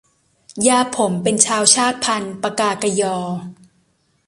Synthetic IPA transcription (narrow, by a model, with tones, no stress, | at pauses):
jaː˧pʰo˩˦mpe˧nt͡ɕʰaː˧wt͡ɕʰaː˥˩t̪̚pʰa˧npa˧kaː˧˩ka˧jɔː˧